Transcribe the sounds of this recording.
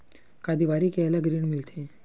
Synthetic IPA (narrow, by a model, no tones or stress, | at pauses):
kad̪iʋaːɾikeəlaɡɾiɳmɪlt̪ʰe